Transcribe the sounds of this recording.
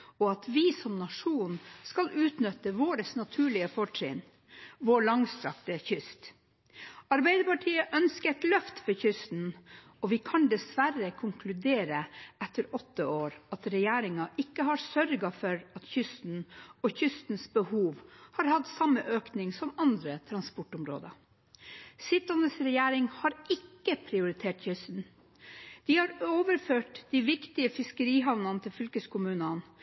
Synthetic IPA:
ɔɑt̪ʰʋɪsɔmnɑʂuːnskɑlʔʉːt̪nʏt̪ːəʋoːɾəsnɑt̪ʰʉːɭɪəfɔʈʰɾɪ̰ːn | ʋoːɭɑŋst̪ɾɑ̰kt̪əçʏst̪ | ɑɾbæɪd̪əpɑʈʰiːəʔœnskət̪lœft̪fɔçʏst̪n̩ | ɔʋɪkʰɑnd̪ɛsʋæɾəkʰʊŋkʰlʉd̪eːɾəɛt̪ːəɾɔt̪ːəoːɾɑt̪ɾɛjæːɾɪŋɑʔɪkːəhɑɾsœɾɡɑfɔɾɑt̪çʏst̪n̩ɔçʏst̪n̩sbəhuːʋhɑɾhɑt̪sɑmːəʔøːknɪŋsɔmɑnd̪ɾət̪ʰɾɑnspɔʈʊmɾo̰ːd̪ə̰ | sɪt̪ɑnəsɾɛjæːɾɪŋhɑɾɪkːəpʰɾɪʊɾɪt̪ʰeːʈçʏst̪n̩ | d̪̥ɪhɑɾoːʋəɾføːʈd̪̥iʋɪkt̪ɪəfɪskəɾiːɦɑʋnɑnət̪ʰɪlfʏlkəskʰʊmʉːnən

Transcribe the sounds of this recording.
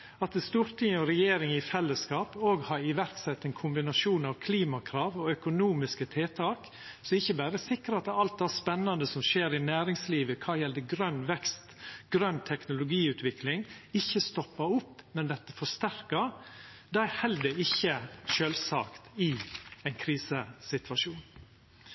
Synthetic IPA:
ɑt̪əst̪uːɾt̪ʰɪŋɔɾɛjeːɾɪŋɪfɛlːəskɑːpoːɡhɑɾɪʋæɾksɛt̪ːɛɪnkʰʊmbɪnɑʃuːnɑʋkʰliːmɑkʰɾɑːʋɔœkʊnuːmɪskət̪ʰeːt̪ʰɑːk | sɔɪçəbæːɾəsɪkɾəɑt̪ːɛɑlt̪̚d̪æspɛnːɑnd̪əsɔmʃeːɾɪnæːɾɪŋsliːʋəkʰɑːjɛld̪əɡɾœnːʋɛkst̪ɡ̥ɾœnt̪ʰɛknʊlʊɡiːʉːt̪ʰʋɪklɪŋɪçːəst̪ɔpːəɾʊpːmɛnd̪ɛt̪ːə̥fɔʂt̪æɾkəɾ | d̪ɑæhɛld̪əɪçːəʃøːlsɑ̰ːkt̪ɪæɪnkʰɾiːsəsɪt̪ʋɑʂuːn

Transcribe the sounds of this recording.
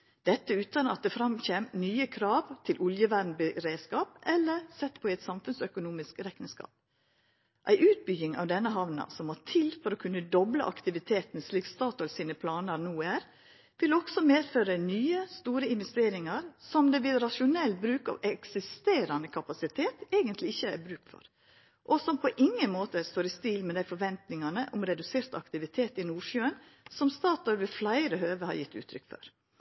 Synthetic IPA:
d̪̥ɛt̪ːəʉːt̪ɑnɑ̰t̪̚d̪ɛfɾɑmçeːmnyːəkʰɾɑːʋt̪ʰɪlʔʊljəʋæːdn̩bəɾeːskɑːp̚ʔɛlːəɾsɛt̪ːpʰɔɛt̪sɑmfʉnsœkʊnuːmɪskɾɛkənskɑ̰ːp̚ | ʔæ̰ɪʔʉːt̪̚bʏɡɪŋɑ̰ːʋd̪ɛnːəɦɑʋnɑ̰sɔmoːtʰɪlfɔɾoːkʰʉnːəd̪ɔblə̰ʔɑ̰kt̪ɪʋɪt̪ʰeːt̪nsliːkst̪ɑːt̪ɔlsiːnəpʰlɑːnəɾnuːæɾ | ʋɪlɔɡ̥sɔmeːføːɾənyːəst̪uːɾəɪnʋɛst̪eːɾɪŋɑɾsɔmd̪ɛʋɪlɾɑʃʊnɛlːbɾʉːkɑ̰ːʋɛksɪst̪eːɾɑnəkʰɑpɑsɪt̪ʰeːt̪eːɡənt̪ʰlɪɪçːəæ̰ɾbɾʉːkfɔ̰ɾ | ʔɔsɔmpʰɔʔɪŋːənmoːt̪əst̪oːɾɪst̪iːlmɛd̪æɪfɔɾʋɛnt̪nɪŋɑnəʔʊmɾɛd̪ʉseːɾt̪ɑ̰kt̪ɪʋɪt̪ʰeːt̪ɪnuːʃjøːən | sɔmst̪ɑːt̪ɔɾʋɪflæɪɾəhøːʋəhɑ̰ɾjɪt̪ːʉ̰ːt̪ʰɾʏkfɔ̰ɾ

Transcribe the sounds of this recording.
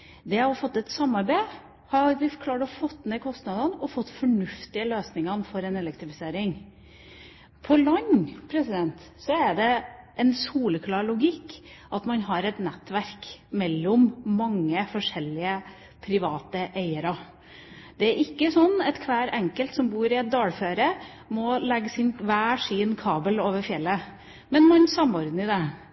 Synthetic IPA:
d̪ɛɔfɔt̪ːɛt̪sɑmːɑɾbæɪ | hɑɾʋɪfkʰlɑːʈɔfɔt̪ːnekʰɔst̪nɑd̪ənɔfɔt̪ːfɔɳʉft̪ɪəløːsnɪŋɑnfɔɾɛnɛlɛk̚t̪ɾɪfɪseːɾɪŋ | pʰɔlɑɲːpʰɾɛsɪd̪ɛnt̪sɔæɖɛʔɛnsuːləkʰlɑːɾɭʊɡɪkːʔɑt̪mɑnɦɑɾɛt̪nɛt̪ːʋæɾkmɛlːɔmːɑŋːəfɔʂɛlːɪə | pʰɾɪʋɑːt̪əʔeɪəɾɑ | d̪̥ɛæɾʔɪkːəsɔnːɛt̪kʰʋæːɾɛŋkəlt̪sɔmbuːɾɪɛt̪̚d̪ɑːlføːɾə | mɔlɛɡːəsɪnʋæːʂiːənkʰɑːbəloːʋəɾfjɛlːə | mɛnmɑnsɑmɔɾd̪n̩ɪd̪ɛ

